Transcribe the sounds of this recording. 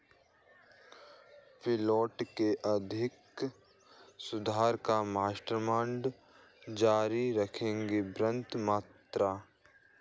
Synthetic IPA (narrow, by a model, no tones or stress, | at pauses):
pʰɪlɔːʈkeʔɐd̪ʱɪk | sʊd̪ʱaːɾkamaːʃʈɾəmãːɳɖ | d͡ʒaːɾiɾəkʰẽːŋɡebɾə̃nt̪maːt̪ɾaː